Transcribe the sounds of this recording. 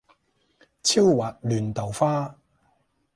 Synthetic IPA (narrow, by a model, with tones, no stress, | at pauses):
t͡sʰi˥wwaː˨t̚lyː˨nt̪ɐ˨˩wfaː˥